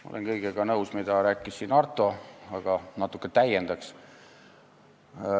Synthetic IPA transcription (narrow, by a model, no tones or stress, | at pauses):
mɑo̰lenkɤjɡ̥eɡ̥ɑnɤuwsmid̪̥ɑɾæːkːˑissiːnɑrt̪ːˑo̞ɑɡ̥ɑnɑt̪ːˑukːˑet̪æjend̪̥ɑks